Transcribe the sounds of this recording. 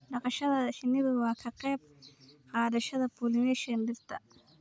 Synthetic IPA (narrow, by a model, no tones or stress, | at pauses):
ɖɑqɑʃɐðɐħɪnɪðʊwɑːkʰɐqɛːb̚ | hɑːdɐʃɐðɐpʰulɪnɛʃɐnɖɪɾt̪ʰɐ